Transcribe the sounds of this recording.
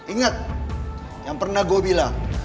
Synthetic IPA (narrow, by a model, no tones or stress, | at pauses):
iŋat̪̚ | jaŋpərnaɡobilaŋ